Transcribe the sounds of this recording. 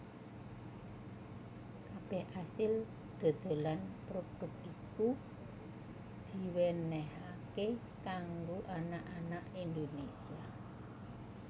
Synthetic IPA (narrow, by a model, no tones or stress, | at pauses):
kab̥ɛhʔasɪl | d̪̥o̤d̪̥o̤lanpɾoɖ̥ʊkiku | d̪̥i̤wɛnɛɦake | kaŋɡoʔanaʔanaʔind̪onesia